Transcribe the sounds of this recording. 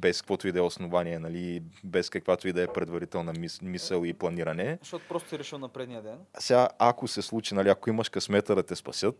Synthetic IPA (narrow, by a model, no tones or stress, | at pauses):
bɛskəkvɔt̪ʊid̪ɛosnovaniɛnɐlibɛskɐkvat̪ʊid̪ɛːpɾɛd̪vɐɾit̪ɛlˠnɐimisəlˠiplˠɐniɾɐnɛʃt̪ɔt̪o̥pɾɔst̪o̥sɛɾɛʃilˠnɐpɾɛd̪nijəd̪ɛnsɛɡaʔakosɛslˠut͡ʃinɐliɐkoimɐʃkɐsmɛt̪əd̪ɐt̪ɛspɐsʲɤt̪̚